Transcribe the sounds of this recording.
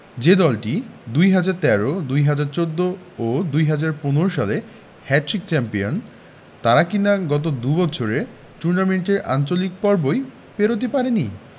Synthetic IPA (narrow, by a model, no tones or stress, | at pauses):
d͡ʑed̪ɔlʈid̪ujɦad͡ʑaɾt̪ɛɾod̪ujɦad͡ʑaɾt͡ɕod̪ːo | od̪ujɦad͡ʑaɾponoɾoʃale | hɛʈɾik̚t͡ɕɛmpion | t̪aɾakinaɡɔt̪̬od̪ubɔt͡ɕʰoɾe | ʈuɾnameɳʈeɾʔa̰nt͡ɕolik̚pɔɾboj | peɾot̪̬epaɾeni